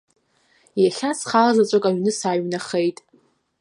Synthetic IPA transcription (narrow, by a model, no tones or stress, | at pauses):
jaχʲasχalazat͡ʃʷʼakʼaɥnɨsaːɥnaχejtʼ